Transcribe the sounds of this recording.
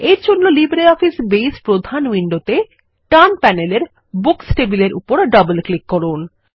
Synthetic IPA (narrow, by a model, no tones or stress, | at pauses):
eɾd͡ʑonːolibɾeɔfisbejspɾod̪ʱanwiɳɖot̪e | ʈanpɛneleɾ | buksʈebileɾʔṵpoɾɖɔbelklikːɔɾun